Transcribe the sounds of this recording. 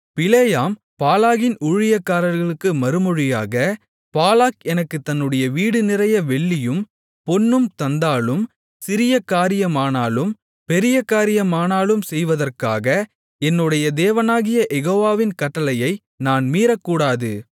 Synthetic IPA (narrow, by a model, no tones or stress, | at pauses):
pɪleːjaːm | paːlaːɣɪnʊɻɪjɐkːaːɾɐɾɣɐɭɯkːɯmɐɾɯmɔɻɪjaːɣɐ | paːlaːkɛnɐkːɯt̪ːɐnːɯɽɐjɐʋiːɽɯnɪɾɐjɐʋɛɭːɪjɯm | pɔnːɯmt̪ɐnd̪aːlɯm | sɪɾɪjɐkaːɾɪjɐmaːnaːlɯm | pɛɾɪjɐkːaːɾɪjɐmaːnaːlɯmsɛjʋɐðɐrkaːɣɐ | ɛnːɯɽɐjɐd̪eːʋɐnaːɣɪjɐʔɛɣoːʋaːʋɪnkɐʈːɐlɐjɐɪ | naːnmiːɾɐkːuːɽaːðɯ